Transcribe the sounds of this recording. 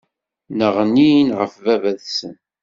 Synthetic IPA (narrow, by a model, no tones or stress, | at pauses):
nəʁninʁəfvævæðsən